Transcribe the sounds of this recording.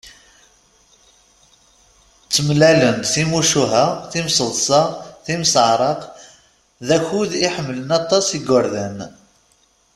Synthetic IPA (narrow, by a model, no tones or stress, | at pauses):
t͡sːəmlælənd̪θimuʃuɦæθimsəðˤsɑθimsəʕɾˤəq | ðæçuðiħəmːələnɑt̪ˤːɑsiɡʊɾðæn